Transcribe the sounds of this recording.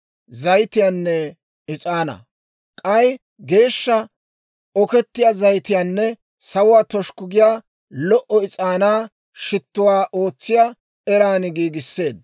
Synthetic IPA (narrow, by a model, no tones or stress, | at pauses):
zɐjt̪ɪjaːnːɛ | ɪt͡sʼaːnɐ̰ | kʼɐj | ɡe̞ːʃːɐ | ɔkɛt̪ːɪjaːzɐjt̪ɪjaːnːɛ | sɐwʊwaːt̪ɔʃkʊɡɪjaː | lɔʔɔɪt͡sʼaːnaː | ʃɪt̪ːʊwaːʔo̞ːt͡sːɪja | ɛɾaːnɪɡiːɡɪsːe̞ːd̪̚